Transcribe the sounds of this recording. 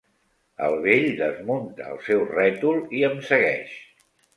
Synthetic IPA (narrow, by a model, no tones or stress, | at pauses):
ə̰lˠβeʎd̪əzmunt̪əə̰lˠsɛwrɛt̪ulˠiəmsəɣɛʃ